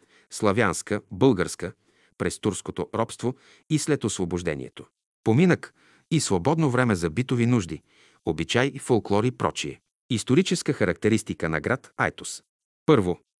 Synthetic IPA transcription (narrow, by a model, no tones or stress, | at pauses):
slˠɐvjanskəbɤlˠɡəɾskə | pɾɛst̪uɾskot̪oɾɔpst̪vo | islɛt̪osvoboʒd̪ɛ̰nḭɛ̰t̪o̥ | pominək | isvobɔd̪novɾɛmɛzɐbit̪ovinuʒd̪i | obit͡ʃajfolˠklˠɔɾipɾɔ̰t͡ʃiɛ̰ | ist̪oɾit͡ʃɛskəxɐɾɐk̚t̪ɛɾist̪ikənɐ̰ɡɾat̪a̰jt̪ʊs | pɤɾvo